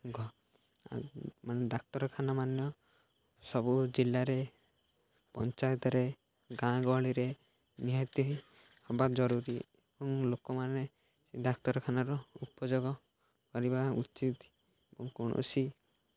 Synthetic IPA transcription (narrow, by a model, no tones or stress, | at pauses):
ɡʱɔ | maned̪ak̚t̪ɔɾɔkʰanamanjɔ | sɔbud͡ʒilːaɾe | pɔ̰nt͡ʃajɔt̪ɔɾe | ɡãɡɔɭiɾe | niɦɔt̪iɦi | hɔbatd͡ʒɔɾuɾi | ebɔŋlokɔmane | sid̪akt̪ɔɾɔkʰanaɾɔupɔd͡ʒoɡɔ | kɔɾibaut͡ʃit̪ | ebɔŋkɔɽ̃ɔ̰si